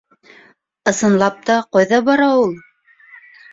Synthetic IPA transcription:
ɤ̆sɤ̆nlˠɑp̚t̪ɑqɑjðɑbɑɾɑulˠ

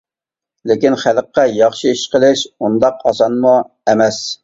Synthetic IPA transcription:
lɪkʲinχælqːɑjɑχʃiiʃqəlˠɪʃund̪ɑqɑsɑnmu | ɛmɛs

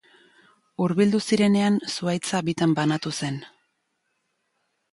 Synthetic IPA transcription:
uɾβild̪usiɾe̞ne̞ansuajt͡saβit̪ambanat̪use̞n

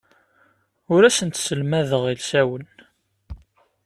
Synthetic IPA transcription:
ʊɾæsənt̪səlmæðəʁilsæwən

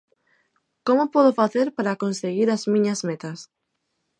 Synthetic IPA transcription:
komʊpɔðofaθeɾpaɾakonseɣiɾazmĩɲɐzmet̪ɐs

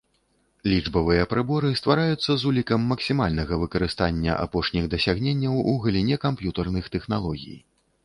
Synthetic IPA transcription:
lʲid͡ʐbɐvɨjɐpɾɨbɔɾɨst̪vaɾajut̪sːɐzulʲikɐmːɐksʲimalʲnɐɣɐvɨkɐɾɨst̪anʲːɐ̰ʔa̰pɔʂnʲiɣd̪ɐsʲaɣnʲenʲːɐwuɣɐlʲinʲɛkampjut̪ɐrnɨxt̪ɛxnalˠɔɣʲḭj

